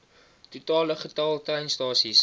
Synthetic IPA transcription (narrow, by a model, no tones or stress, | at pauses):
tutɑːləχətɐlˠtrɛjnstɑːsis